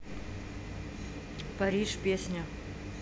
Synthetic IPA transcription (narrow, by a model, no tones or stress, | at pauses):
pɐɾʲiʂpʲesʲnʲɐ